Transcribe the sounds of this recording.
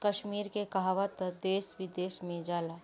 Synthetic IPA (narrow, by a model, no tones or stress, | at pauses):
kəʃmiːɾkekaɦaʋat̪əd̪eːsʋɪd̪eːsmẽd͡ʒaːla